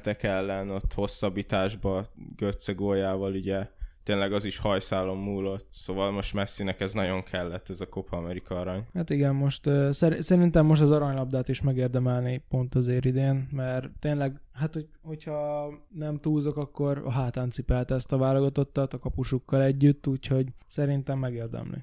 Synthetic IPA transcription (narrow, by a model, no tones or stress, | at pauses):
t̪ɛkɛlːɛnot̪ːho̞sːɒbːit̪aːʒbɒɡ̥øt̪seɡoːjaːvɒluɟɛt̪eːnlɛɡɒziʃhɒjsaːlo̞mːuːlot̪soːvɒlmo̞ʃt̪mɛsːinɛkɛznɒɟo̞ŋkʰɛlːɛt̪ːɛzɒko̞pʰːmɛɾikɒɒɾɒɲhat̪iɡɛmmo̞ʃt̪øsɛɾisɛɾint̪ɛmːo̞ʃ̬t̪ɒzɒɾɒɲlɒb̚d̪aːt̪iʃmɛɡeːrd̪ɛmɛlnipo̞nt̪ɒzeːɾid̪eːnmɛrt̪ːeːnlɛɡ | ɦat̪ho | ho̞cʰhɒnɛmt̪uːzo̞kɒkːo̞rɒ̰ɦaːt̪aːnt̪sipɛlt̪ɛst̪ɒvaːloɡɒt̪o̞t̪ːɒt̪ɒkɒpuʃukːɒlɛɟːyt̪ːuːcho̞ɟsɛɾint̪ɛmːɛɡeːrd̪ɛ̰mlḭ